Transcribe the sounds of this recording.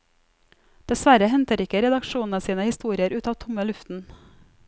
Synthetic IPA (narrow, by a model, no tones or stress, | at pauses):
d̪̥ɛsʋæɾəhɛnt̪əɾɪkəɾɛd̪ɑkʃuːnn̩əsiːnəhɪst̪uːɾɪəɾʉːt̪ɑːʋt̪ʰʊməlʉft̪n̩